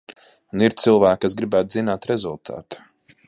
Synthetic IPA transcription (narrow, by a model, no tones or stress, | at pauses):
uniɾt̪silˠvæːkːas̬ɡɾibæːt̪̚zinaːt̪ɾɛzulˠt̪ʰa̰ːt̪ḁ